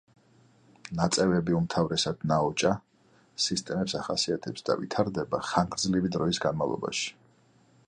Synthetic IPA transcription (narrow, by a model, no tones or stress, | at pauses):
nat̪sʼɛvɛbiumt̪ʰavɾɛsad̪̥naɔt͡ʃʼa | sist̪ʼɛmɛpsaχasiat̪ʰɛpsd̪a̰vḭt̪ʰaɾd̪ɛbaχaŋɡɾd̪zlivid̪ɾɔisɡanmavlˠɔ̰ba̰ʃi̥